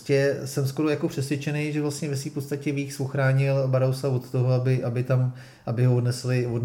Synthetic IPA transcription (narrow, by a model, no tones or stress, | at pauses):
cɛsɛmsko̞ɾojakopr̝̥ɛsvjɛt͡ʃɛnɛjʒɛvlast̪ɲɛvɛs̬viːfpost̪acɛviːxsoxɾaːɲɪlbaɾowsavo̞t̪t̪oɦoabɪʔabɪt̪am | ʔabɪɦovodnɛslɪvod